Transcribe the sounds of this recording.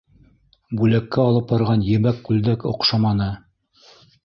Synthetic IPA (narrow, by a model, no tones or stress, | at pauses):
bʉlækːæɑlˠɤp̚bɑɾʁɑnjɘ̆mækːʉld̪ækŏ̰qʃɑmɑnɤ